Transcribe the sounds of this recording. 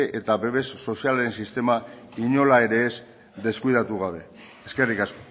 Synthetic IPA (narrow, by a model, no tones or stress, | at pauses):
ʔet̪aβe̞βe̞sːo̞sialaɾensist̪e̞ma | iɲo̞lae̞ɾe̞ːs | d̪e̞skuiðat̪uɣ̞aβ̞e̞ | eske̞rikas